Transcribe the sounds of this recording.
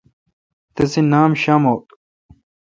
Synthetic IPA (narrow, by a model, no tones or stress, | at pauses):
t̪ɐsinaːmɕaːmowt̪